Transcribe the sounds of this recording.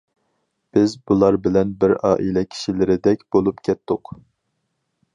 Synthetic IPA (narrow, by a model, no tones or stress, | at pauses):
b̥ɪzbulˠɑɾbɪlɛnbɪɾɑːʔilɛkʲʰi̥ʃilɪɾɪd̪ɛkʲb̥olˠupkʲʰɛt̪ʰːʊq